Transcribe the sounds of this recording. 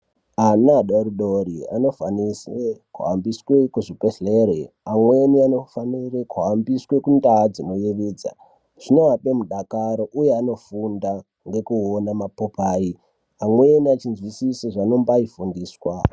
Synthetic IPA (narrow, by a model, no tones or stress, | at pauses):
anaɗaɾuɗoɾia̰no̞vanisekuɦambiswe̞kuʐipeɬeɾeamwe̞niano̞fanirekuɦambiswe̞kundad͡zimojiʋiːd͡za̰ | ʐ̥ino̞ɦaɓe̞muɗakaɾoʔujeano̞funda | ŋɡe̞kuonamapopaːi | amweniat͡ʃinzwisisiʐano̞mbaifundiːswa